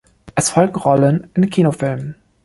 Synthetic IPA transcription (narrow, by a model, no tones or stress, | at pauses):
ʔɛsfɔlk̚tʁɔlənɪnkʰiːnofɪlmə